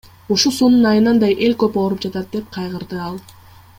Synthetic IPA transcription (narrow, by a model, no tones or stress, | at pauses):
uʃulˠsununɑjɯnɑnd̪ɑjʔe̞lʲkøpoːɾupd͡ʒɑt̪ɑt̪̚d̪e̞p̚qʰɑjʁɯɾd̪ɯɑlˠ